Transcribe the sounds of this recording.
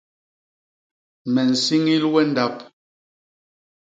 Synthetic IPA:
mɛ˨n̩˨si˦ŋi˦lwɛ˦n˦da˦˨p̚

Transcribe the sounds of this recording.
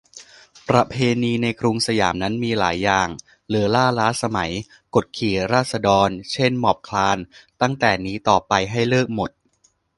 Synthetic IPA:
pɾa˧pʰeː˧niː˧na˧jkʰɾuː˧ŋsa˧ja̰ː˩˦mna˦˥nmiː˧laː˩˦jːaː˨˩ŋ | lɯ˩˦laː˥˩laː˦˥sa˧ma˩˦j | ko˨˩t̪̚kʰiː˨˩ɾaː˥˩t̪̚sa˧dɔː˧nt͡ɕʰe˥˩nmɔː˨˩p̚kʰlaː˧nt̪a˥˩ŋt̪ɛː˨˩niː˦˥t̪ɔː˨˩pa˧jɦa˥˩jlɤː˥˩k̚mo˨˩t̪̚

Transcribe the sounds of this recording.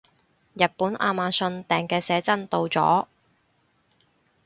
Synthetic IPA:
jɐ˨t̚puː˨˥nʔa̰ː˧maː˨˧sɵ˧nt̪ɛː˨˩ŋkɛː˧sɛː˨˥t͡sɐ˥nt̪o˧wt͡sɔ̰ː˨˥

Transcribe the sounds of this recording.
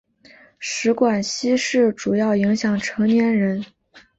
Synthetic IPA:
ʂɻ̩˧˥kwa˨˩nɕi˥ʂɻ̩˥˩ʈ͡ʂu˨˩jɑ˥˩ʊi˧˥ŋɕjɑ˨˩ŋʈ͡ʂʰɤ˧˥ŋnjɛ˧˥nɻə˧˥n

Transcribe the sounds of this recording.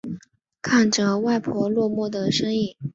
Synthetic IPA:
kʰa˥˩nʈ͡ʂɤ˨˩wa˥˩ɪpʰwɔ˧˥lwɔ˥˧mwɔ˥˩d̪ə˩ʂɤ˥ŋi˥˩

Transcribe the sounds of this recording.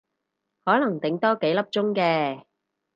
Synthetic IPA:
hɔː˨˥lɐ˨˩ŋt̪ɪ˨ŋt̪ɔː˥ke˨˥jlɐ˥p̚t͡sʊ˥ŋkɛː˧

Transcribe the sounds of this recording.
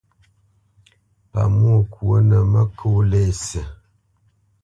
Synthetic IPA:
pa̰˨mu˦o˦˨kwə˦nə˨mə˦kʰo˦le˦˨sə˨

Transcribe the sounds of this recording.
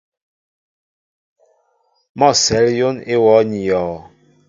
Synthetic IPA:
mɔ˦˨sɛ˨˦ljo˦ne˦wɔ˨˦ɲi˨jɔː˨

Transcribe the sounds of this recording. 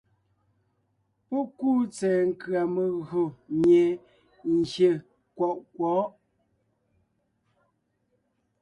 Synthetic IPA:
pɔ˦kuː˦˨t͡sɛː˨ŋ̩˦˨kɰa˨mə˨ɣo˨mje˨ | n̩˨ɡje˨ | kwɔ˨ʔkwɔ˨˦ʔ

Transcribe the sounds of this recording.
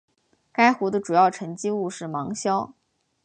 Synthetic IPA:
ka˥ɪxu˧˥d̪ə˧ʈ͡ʂu˨˩jɑ˥˩ʊʈ͡ʂʰə˧˥nt͡ɕi˥u˥˧ʂɻ̩˥˩mɑ˧˥ŋɕjɑ˥ʊ

